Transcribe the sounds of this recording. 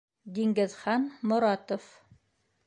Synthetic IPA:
d̪iŋɡɘ̆ðχɑnmŏɾɑt̪of

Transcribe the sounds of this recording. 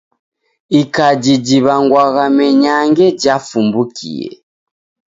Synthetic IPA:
ikad͡ʒid͡ʒiβaŋɡwaɣamɛɲaŋɡɛɟafumbukʰḭjɛ̰

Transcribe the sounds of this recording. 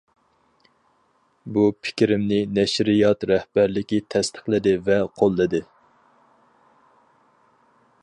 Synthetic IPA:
bupʰɪ̥kʲɾɪmnɪnɛʃɾɪjɑt̪ɾɛhbæɾlɪkʲit̪ʰɛst̪ʰə̥χlɪd̪ɪvɛqʰolˠːɨd̪ɨ

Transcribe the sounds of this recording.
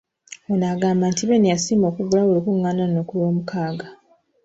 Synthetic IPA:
onaɡaːmbantiβenijasiːmo̞ːkuɡulaolikuŋːaːnanoːkulo̞ːmukaːɡa

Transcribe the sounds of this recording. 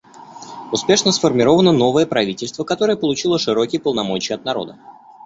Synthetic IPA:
ʊspʲe̞ʂnəsfərmʲɪɾo̞vənəno̞vəjəpɾɐvʲitʲɪlʲst̪vəkɐt̪o̞ɾəjəpəlˠʊt͡ɕilˠəʂɨɾo̞kʲɪjəpəlˠnɐmo̞t͡ɕɪjɐt̪̚nɐɾo̞̰d̪ə

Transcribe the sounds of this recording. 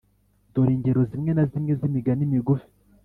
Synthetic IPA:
doɾiːɲɟeɾozimŋe̞nazimŋe̞zimiɡanimiɡufi̥

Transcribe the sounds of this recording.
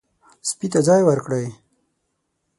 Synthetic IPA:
spit̪ad͡zɑjwəɾkɽəj

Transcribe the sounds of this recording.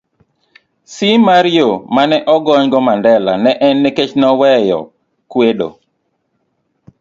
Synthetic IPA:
simaɾɪomanɛʔɔɡɔɲɡɔmandɛla̰nɛʔɛnːeket͡ʃnɔwɛjɔ̰ | kwedo̰

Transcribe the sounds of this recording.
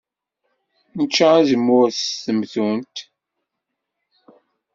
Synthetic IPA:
nət͡ʃːaæzəmːuθθəmθunt̪

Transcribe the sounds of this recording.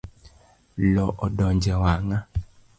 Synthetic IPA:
lɔʔɔdɔɲd͡ʒɛwaŋa

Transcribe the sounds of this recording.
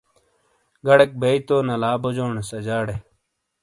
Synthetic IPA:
ɡɐɽek̚beit̪oːnɐlaːbod͡ʑoːnesɐd͡ʑaːɽe

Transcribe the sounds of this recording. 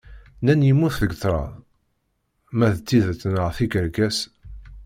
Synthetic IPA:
nænjimːuθðəɡθˤɾˤɑ̰ðˤ | mæðt̪t͡s̪ːiðt͡sːnəʁθiɡəɾɡæs

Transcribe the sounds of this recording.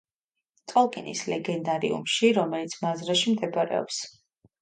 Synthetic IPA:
t̪ʼɔlˠkʼinḭslɛɡɛnd̪aɾḭṵmʃiɾɔmɛlit̪sʰmazɾaʃimd̪ɛbaɾɛ̰ɔ̰ps

